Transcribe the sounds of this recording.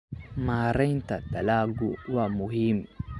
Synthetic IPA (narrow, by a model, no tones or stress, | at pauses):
maːɾɐjntatalaːɡuwamʊɦim